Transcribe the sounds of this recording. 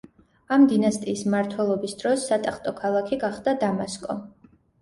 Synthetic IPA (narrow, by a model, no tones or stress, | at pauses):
amd̪inast̪ʼiːsmaɾt̪ʰwɛlˠɔbisd̪ɾɔsːat̪ʼaχt̪ʼɔkʰalˠakʰiɡaχd̪ad̪amaskʼɔ